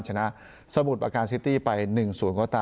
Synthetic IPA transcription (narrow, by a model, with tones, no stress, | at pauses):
t͡ɕʰa˧na˦˥ʔ | sa˧mu˨˩t̪̚ʔaː˧kaː˧nsi˦˥t̪iː˥˩pa˧jnɯ˨˩ŋsuː˨˩˦nkɔː˥˩t̪aː˧